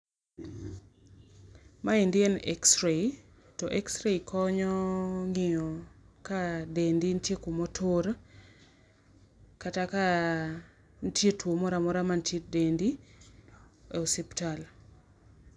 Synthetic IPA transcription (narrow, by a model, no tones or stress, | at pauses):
maindɪɛnɛ̰ksɾei | tɔʔɛksɾeikɔɲɔŋɪɔ | kadendintjekumɔtʰʊɾ | kataka | ntjetwomɔɾamɔɾamantjedendi | ɛosiptal